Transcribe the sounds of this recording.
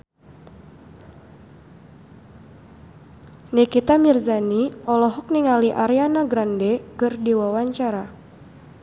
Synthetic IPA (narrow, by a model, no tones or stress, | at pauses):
nikit̪amirzaniɔlɔɦɔk̚niŋaliʔaɾianaɡɾandɛkɨrdiwawaɲt͡ʃaɾa